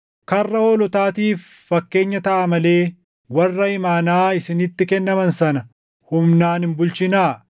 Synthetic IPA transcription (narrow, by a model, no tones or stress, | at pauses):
kɐrːɐoːlɔt̪aːt̪iːfːɐkːe̞ːɲːɐt̪ɐʔɐmɐle̞ː | wɐrːɐɪmaːnaːɪsɪnɪt̪ːɪkɛnːɐmɐnsɐnɐ | hʊmnaːnhɪmbʊlt͡ʃɪnaː